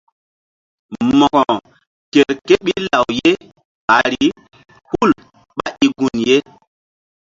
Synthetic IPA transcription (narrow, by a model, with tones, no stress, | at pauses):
mɔ˨ɡɔ˨ | ke˨ɾke˦ɓi˦la˨wje˦ | ɓa˨ɾi˨˦ | hu˦˨l | ɓa˦ʔi˨ɡu˨nje˦